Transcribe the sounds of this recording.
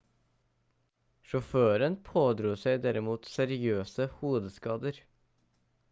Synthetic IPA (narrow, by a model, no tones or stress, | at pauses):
ʃɔføːɾənpʰoːd̪ɾuːsæɪd̪æɾɪmuːt̪sæɾɪøːsəhuːd̪əskɑːd̪əɾ